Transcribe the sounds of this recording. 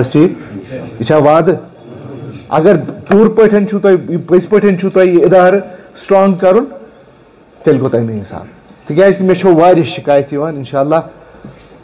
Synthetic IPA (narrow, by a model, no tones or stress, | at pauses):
sʈʰiːkit͡ʃʰaːʋaːd̪ | ɐ̰ɡɐɾpuːɾpəʈʰɐnt͡ʃʰut̪oipɐspəʈʰɐnt͡ʃʰut̪ɐiɪd̪aːɾsʈɾaːŋɡkɐɾun | t̪elʲkot̪ɐjmeinsa̰ːn | t̪ʰɨkʲaːjskimet͡ʃʰoːʋaːɾʲiʃikaːjt̪jiʋaːninʃaːlːaː